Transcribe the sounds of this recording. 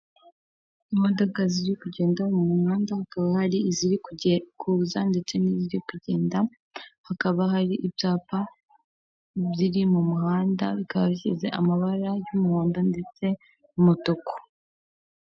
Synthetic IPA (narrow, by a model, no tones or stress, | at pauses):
imo̞do̞kaziɾikuɟe̞ːndamumuhaːndahakaβahaɾiiziɾikʰuzande̞t͡se̞niziɾikuɟe̞ːnda | hakaβaɦaɾiʔibjaːpa | βiɾimumuɦaːnda̰βikaβaβiçize̞ʔamaβaɾajumuhaːndande̞t͡se̞ | umotoko̥